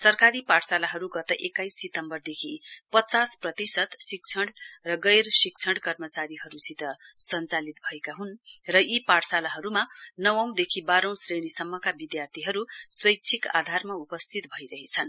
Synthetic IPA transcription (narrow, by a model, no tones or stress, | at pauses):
sʌrkaɾipaʈsalaɦʌɾuɡʌt̪ʌʔekajsːit̪ʌmbʌrd̪ekʰipʌt͡sasprʌt̪isʌt̪sikt͡sʰʌɽrʌɡʌjrsik̚t͡sʰʌɽkʌrmʌt͡saɾiɦʌɾusit̪ʌsʌnt͡salit̪̚bʱʌekaɦunrʌipaʈsalaɦʌɾumanʌwʌ̃w̃d̪ekʰibaɾʌ̃w̃sreɽ̃isʌmːʌkabid̪jart̪ʰiɦʌɾuswʌjk̚t͡sʰika̰d̪ʱarmaupʌst̪ʰit̪̚bʱʌiɾʌɦet͡sʰʌn